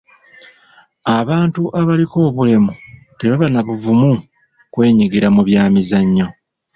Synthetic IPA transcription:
aβaːntuʔaβaliko̞ːβule̞mu | teβaβanaβuvumu | kwe̞ːɲiɡiɾamuβjaːmizaɲːo̞

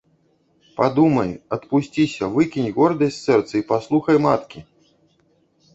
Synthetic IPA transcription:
pad̪umɐjɐt̪pusʲt͡sʲisʲɐvɨkʲinʲɣɔrd̪ɐsʲsɛrt̪sɐipaslˠuxɐjmat̪kʲi

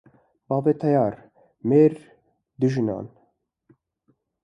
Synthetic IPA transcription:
bɑːvet̪ʰajɑːɾ | meːɾ | d̪uʒɨnɑ̰ːn

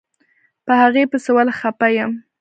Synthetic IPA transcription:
pəhaɣepəsəwalxapajəm

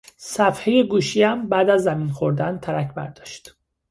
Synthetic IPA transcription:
sæfhe̞je̞ɡuːʃiæmbæːd̪æzːæmiːnxoɾd̪ænt̪ʰæɾæcʰbæ̰ɾd̪ɒːʃt̪

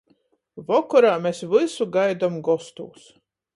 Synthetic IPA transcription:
vɔkɔɾaːmʲesvɨsuɡajd̪amɡɔst̪ṵːs

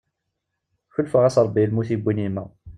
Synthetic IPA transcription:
çəlfəʁæsɾˤəbːilmuθibʷːinimæ̰

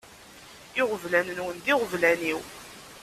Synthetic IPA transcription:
ɪʁəvlænənwənd̪ɪʁəvlæniw

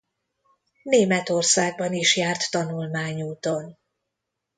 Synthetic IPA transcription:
neːmɛt̪o̞rsaːɡ̚bɒniʃjaːrt̪ːɒnulmaːɲuːt̪on

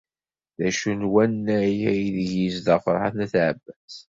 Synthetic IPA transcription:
ðæʃunwænːæjæjiðəʝizðəʁfəɾˤħa̰θnæθʕəbːæz̥

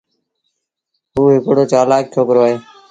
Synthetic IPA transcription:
ɦuːɦɪkɽoːt͡ʃaːlaːk̚tʰjoːkəɾoaːɦeː

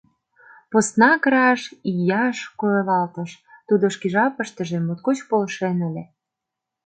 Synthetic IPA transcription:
post̪nɑkɾɑʃijɑʃkojelɑlt̪ə̆ʃt̪ud̪oʃkiʒɑpə̆ʃt̪ə̆ʒĕmot̪̚kot͡ɕpolʃenəlʲe

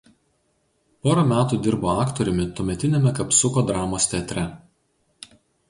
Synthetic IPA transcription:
poːɾɐmʲæːt̪uːˑd̪ʲɪɾboːɑːkt̪ɔɾʲʊmʲɪt̪uɔmʲɛt̪ʲɪnʲemʲɛkɐpsʊkoːd̪ɾɑːmoːsʲt̪ʲɛːt̪ʲɾʲɛ

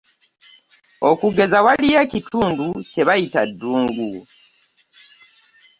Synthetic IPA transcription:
o̞kuɡe̞zawalijecitʰuːnduce̞βajitadːuːŋɡu

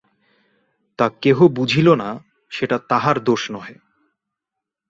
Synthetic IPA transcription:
t̪akeɦobud͡ʑʱilona | ʃeʈat̪aɦaɾd̪oʃnɔɦe

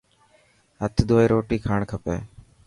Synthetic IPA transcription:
ɦət̪ʰd̪ʱoːeːɾoːʈiːkʰaːɳkʰəpḛː

